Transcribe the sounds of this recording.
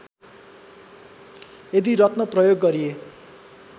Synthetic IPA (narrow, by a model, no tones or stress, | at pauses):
ed̪iɾʌt̪nʌprʌjoɡːʌɾie